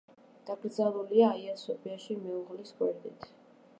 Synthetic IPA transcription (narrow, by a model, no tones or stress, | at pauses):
d̪̥aɡɾd̪zaɾuliaːiasɔpʰʼiaʃimɛuʁliskʼwɛɾd̪it̪ʰ